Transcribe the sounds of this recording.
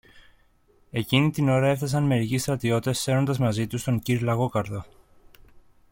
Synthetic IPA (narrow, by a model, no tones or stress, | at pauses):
e̞cinit̪ino̞ɾɐe̞fθɐsɐnme̞ɾicist̪ɾɐt̪io̞t̪esːe̞ɾo̞nd̪ɐzmɐzit̪ust̪oŋciɾlɐɣo̞kɐɾðo̞